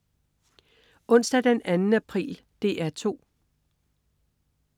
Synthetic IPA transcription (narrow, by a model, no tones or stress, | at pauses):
ɔ̽n̰sd̥æd̥enænn̩æpʰʁḭːl | d̥e̝ʔæɐt͡sʰo̝̰ː